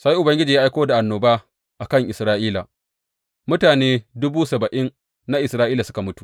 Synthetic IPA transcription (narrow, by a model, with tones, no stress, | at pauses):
sa˦ji˦ʔʊ˨bɐ˦ŋɡʲɪ˦d͡ʒiː˨ja˦ʔa˦jkʷoː˦da˨ʔa˨nːoː˨baː˦ | ʔa˨kɐ˦˨ŋʔɪ˨sɾaː˦ʔiː˦la̰˨ | mʊ˦taː˨neː˦dʊ˦buː˦sɐ˨bɐ˨ʔɪ˦n | na˦ʔɪ˨sɾaː˦ʔiː˦la˨sʊ̥˦ka˨mʊ˦tu̥˨